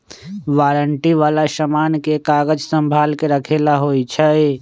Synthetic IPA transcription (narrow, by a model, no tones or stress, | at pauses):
ʋaːɾəɳʈiʋaːlasəmaːnkekaɡəd͡ʒsəmbʱaːlkeɾəkʰelaɦojt͡ʃʰə